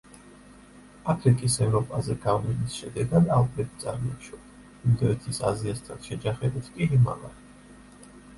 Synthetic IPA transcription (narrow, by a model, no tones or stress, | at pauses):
apʰɾikʼisɛvɾɔpʼazɛɡavlɛnisʃɛd̪ɛɡad̪alˠpʼɾɛbit̪sʼaɾmaʃɔ | imd̪ɔɛt̪ʰisaziast̪ʰanʃɛd͡ʒaχɛbit̪ʰkʼiɦima̰va̰ɾ